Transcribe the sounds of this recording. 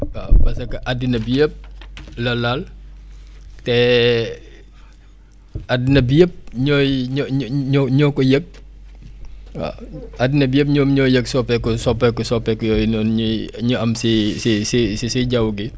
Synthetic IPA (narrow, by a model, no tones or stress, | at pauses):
apɐsɐkɐʔadinɐbiəp̚lɐlal | tɛ | adinɐbiəp̚ɲɔjɲɔɲɔɲɔkɔjək̚ | adinɐbiəp̚ɲɔːmɲɔjəksɔpːɛkɔsɔpːɛkɔsɔpːɛkɔjɔnɔnɲɲuɐmsisisisisiɟawɡi